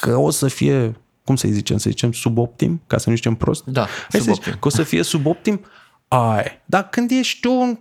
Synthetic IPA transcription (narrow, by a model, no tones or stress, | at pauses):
kʰəosəfije | kumsə̰jzit͡ʃe̞̰msə̰zit͡ʃe̞msubo̞p̚t̪ḭmkasənuzit͡ʃe̞mpɾo̞st̪̚d̪ahajsezit͡ʃkəosəfije̞subop̚t̪im | ajed̪akɨnd̪jeʃt̪un